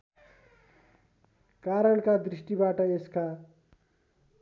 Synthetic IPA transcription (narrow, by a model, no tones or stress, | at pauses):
kaɾʌɭkad̪ɾisʈibaʈʌeska